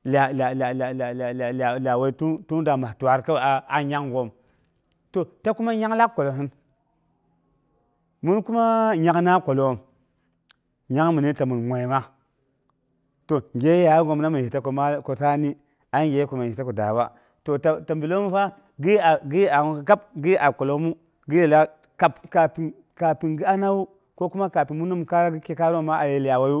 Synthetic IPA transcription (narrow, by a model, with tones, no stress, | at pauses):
la˨la˨la˨la˨la˨la˨la˨la˨la˨we˨i˦tu˦tu˦da˨ma˨tu˨a˨ɾka˦˨a˨a˨ɲa˦kɡo˨m | to˦˨ta˦ku˦ma˦ɲa˦kla˦kkːo˨lo˨ɦi˦n | mu˦nku˦ma˦ɲa˦kna˦kʷo˨lo˨m | ɲa˦kmu˨ni˦ta˨mu˨nŋʷe˨jma˦ | to˨ŋ˨ɡʲe˦ja˨˦ɡo˨m˦na˦mu˨hi˨ta˦ko˨m˦ko˨ta˦ni˦ | a˦ŋɡʲe˨˦ko˨ma˨i˨ta˦ko˨da̰˨wa̰˦ | to˨ta˨ta˨mbi˨lo˦mu˦fa˦ | ɡi˦a˨ɡi˦a˨ka˦pɡi˦a˨ko˨lo˦mu˦ | ɡi˦e˨la˦ | ka˨pka˨pi˨ | ka˨pi˨nɡi˦a˦na˦wu˦ | ko˦ku˦ma˦ka˨pi˨mu˦nu˦m˨ka˦ɾa˦ɡi˦ke˦ka˦ɾo˦ma˦ʔa˨je˨li˨a˨wa˨ju˦